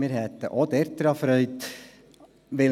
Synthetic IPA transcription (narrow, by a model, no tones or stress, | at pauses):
mɪːɾhɛt̪ːəʔod̪ɛɾt̪əɾɑfɾœʏt̪ | ʋɪ